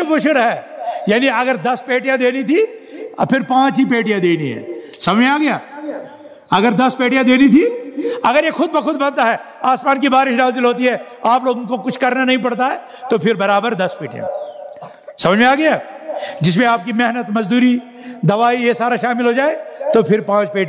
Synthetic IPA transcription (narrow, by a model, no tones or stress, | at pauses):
bʊʃəɾɦɛːjaːniɐɡəɾd̪ɐspeːʈijãd̪eːnit̪ʰipʰɪɾpãːt͡ʃɦip̬eːʈijãd̪eːniɦɛ̰̃ːsɐməd͡ʒmẽaːɡɐja̰ː | ɐɡəɾd̪ɐspeːʈijãd̪eːnit̪ʰiɐɡəɾjexʰʊd̪̚bɐkʰʊd̪̚bɐ̃nt̪aɦɛː | aːsmaːnkibaːɾɪʃnaːzɪlɦoːt̪iɦɛːaːploːɡõkokʊt͡ʃʰkɐɾnanɐɦĩp̬ɐɽt̪aɦɛː | t̪opʰɪɾbɐɾaːbəɾd̪ɐspeːʈijã̰ | sɐməd͡ʒmẽaːɡɐjaː | d͡ʒɪs̬mẽaːp̚kimeɦnət̪mɐzd̪uːɾi | d̪ɐʋaːijesaːɾaʃaːmɪlɦod͡ʒaːet̪opʰɪɾpãːt͡ʃpeːʈã